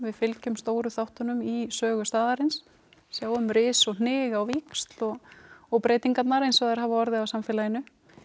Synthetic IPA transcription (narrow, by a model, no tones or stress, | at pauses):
vɪðfɪlcʏmst̪oːwɾʏθawht̪ʏnʏmisœːɣʏst̪aːðaɾɪnsː | jaːwʏmɾɪːsɔɣn̥ɪːɣawvikst̪lɔɣɔɣpɾeːjt̪iŋkat̪naɾejnsvɛɣðɛɾ̥ɦaːvaɔɾðɪawsamfɪːlajɪnːʏ